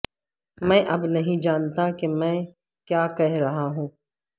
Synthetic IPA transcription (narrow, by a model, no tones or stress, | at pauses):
mɛ̃ːʔɐbnɐɦĩd͡ʒaːnt̪akemɛ̃ː | kjaːkɛɦɾɐɦaɦũː